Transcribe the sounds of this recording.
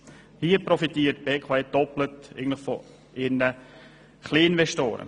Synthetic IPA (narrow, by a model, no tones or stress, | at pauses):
hiːəpɾɔfitiːət̚b̥eːkʰoɛd̥ɔplətḛːɡn̩tlɪχfɔ | ɪnə | χliːɪnʋɛʃto̰ːɾə̰